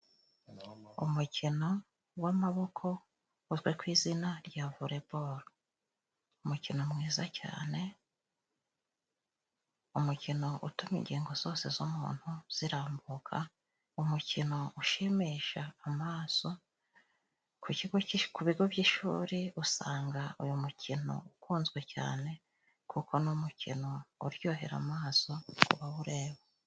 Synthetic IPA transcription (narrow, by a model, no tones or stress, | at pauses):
ṵmucʰino̞ | wamaβo̞kʰo̞ | uzɡwekwiːzinaɾɟavuɾe̞boɾo | umucinomŋiːzaca̰ːne̞ | umucino̞ʔutumḭɲɟeːŋɡo̞z̥o̞ːse̞̰zumṵːn̥huz̥iɾaːmbukʰa | umucino̞uʃimiʃaːmaːso̞ | kuciɡoikuβiɡo̞bɟiʃṵːɾiusaːŋɡaujumucʰino̞̰ukuːnzɡwe̞ca̰ːne̞ | kuko̞numucḭno̞uɾjo̞ːɦe̞ɾa̰maːso̞kṵβawuɾe̞ːβa